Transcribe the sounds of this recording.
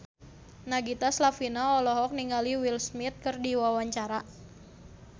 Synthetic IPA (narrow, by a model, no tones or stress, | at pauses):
naɡit̪aslafinaɔlɔɦɔk̚niŋɡaliwilsmit̪̚kɨrdiwawaɲt͡ʃaɾa